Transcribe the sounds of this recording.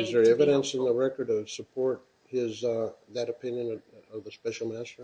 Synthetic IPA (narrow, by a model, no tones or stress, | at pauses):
ɨzə˞ɛvɨɾɨ̃nsɨ̃nðəɹɛkə˞ɾʌv̥səpʰɔɹt̚ | hɪzðɨɾɨpʰɪ̃njɨ̃nʌvðəspɛʃl̩ˠmæstə˞